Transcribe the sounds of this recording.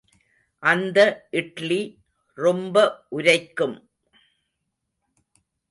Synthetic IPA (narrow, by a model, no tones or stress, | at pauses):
ʔɐnd̪ɐʔɪʈɭi | rɔmbɐʔʊɾɐɪkːɯm